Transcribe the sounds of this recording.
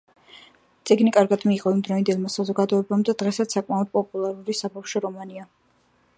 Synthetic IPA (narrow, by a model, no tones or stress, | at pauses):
t̪sʼiɡnikʼaɾɡad̪miːqʼɔimd̪ɾɔind̪ɛlˠmasazɔɡad̪ɔɛbamd̪ad̪̥ʁɛsat̪sakʼmaɔd̪̥̚pʼɔpʼulˠaɾuɾisabawʃɔɾɔmania